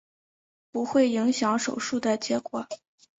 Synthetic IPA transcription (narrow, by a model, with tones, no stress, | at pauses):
pu˧˥xwe˥˩ɪi˧˥ŋɕjɑ˧˥ŋʂo˨˩ʊʂu˥˩d̪ə˩t͡ɕjɛ˧˥kwɔ˨˩˦